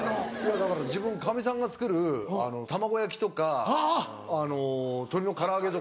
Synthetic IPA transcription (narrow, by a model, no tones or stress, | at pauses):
ojad̪akaɾad͡ʑibɯ̟̃ŋkamʲis̬ãŋɡat͡sɨ̥kɯ̟ɾɯ̟a̰no̞t̪amaɡo̞jak̬ʲi̥t̪o̞kaː | no̞t̪o̞ɾʲino̞kaɾaːɡe̞t̪o